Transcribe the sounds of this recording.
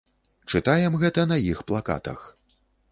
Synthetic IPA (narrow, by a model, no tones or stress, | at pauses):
t͡ʂɨt̪ajɛmɣɛt̪ɐnɐjixplˠaka̰t̪ɐ̰x